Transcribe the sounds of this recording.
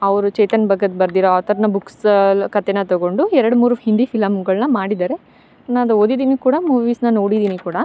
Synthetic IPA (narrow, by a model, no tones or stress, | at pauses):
ɐʋɾut͡ʃɐjt̪ɐnbɐɡɐd̪bɐɾd̪iɾoaːt̪ɐɾnɐbukskɐt̪ːenɐt̪ɐɡo̞ɳɖuɛɾɐɽumuːɾuhind̪ifilɐmɡɐɭnɐmaːɽid̪aːɾe̞ | naːd̪oːd̪id̪iːnikuːɽɐmuːʋiːsnɐno̞ːɽid̪iːnikuːɽɐ